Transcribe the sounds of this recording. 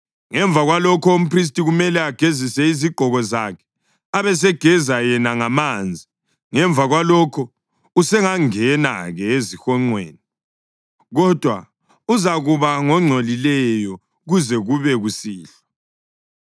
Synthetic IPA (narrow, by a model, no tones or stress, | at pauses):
ŋɛɱvʱaɣwalɔkʰɔom̩pʰris̬tʼiɣumɛlɛaɡ̥ʱezisɛiziɡ͡ǃ̥ʱɔɣɔzakʰɛ̥ | aβɛs̬ɛɡ̥ʱɛzajɛnaŋamand͡zʱi | ŋɛɱbvʱaɣwalɔkʰɔ | usɛŋaŋɛna̰ɣɛezixɔŋ͡ǀwḛːni | ɣɔd̥ʱwa̰ | uzaɣuβaŋɔŋ͡ǀʱolilɛjɔ | ɣuzɛɣuβɛɣusiːɬḁ